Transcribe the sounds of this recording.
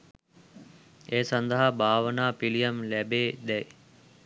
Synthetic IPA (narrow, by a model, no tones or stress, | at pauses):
eːsɐnd̪əɦabʱaːʋənaːpilijɐmlæbeːd̪ɛj